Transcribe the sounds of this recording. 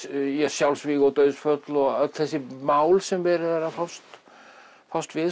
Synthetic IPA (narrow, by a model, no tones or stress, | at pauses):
jɛsjawlsviɣɔt̪œːɥðsfœt̪lɔɣaθɛsːɪmaːwlsɛmvɛːɾɪðɛɾafawst̪ | fawst̪vɪ